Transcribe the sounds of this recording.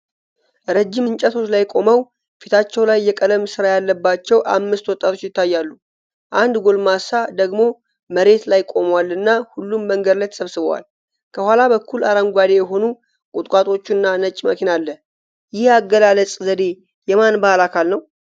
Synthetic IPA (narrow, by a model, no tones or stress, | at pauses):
ɾəd͡ʒːɪmɨnt͡ʃʼɛt̪ʰo̞t͡ʃlajkʼo̞məw | fit̪ʰat͡ʃːɛwlajːɛkʼəd̪əmsɨɾajalːəbːat͡ʃːɛwʔamːɨst̪wɔt̪ʼːat̪ʰo̞t͡ʃːjɪt̪ʰːajːalːu | ʔand̪ɡo̞lmasad̪əɡmo̞ | məɾe̞t̪lajkʼo̞mwalɨnːahulːumːəŋɡəd̪lajt̪ʰə̥səβsɨβəwa̰l | kʰəhʷwalabəkʰːulaɾaŋɡʷad̪e̞jɛɦo̞nu | kʼut̪ʼkʼat̪ʼo̞t͡ʃːɨnːanət͡ʃʼːməkʰinalːə | jɪhaɡːəlaləsʼzəd̪e̞ | jɛmanbahalakʰalnəw